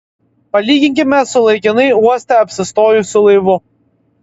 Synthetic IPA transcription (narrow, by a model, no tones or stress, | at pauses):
pɐlʲiːɡʲɪŋʲkʲɪmʲɛsʊlˠɐɪkʲɪnɐɪuɔsʲt̪ʲɛɐpʲsʲɪst̪oːjusʊlˠɐɪʋʊ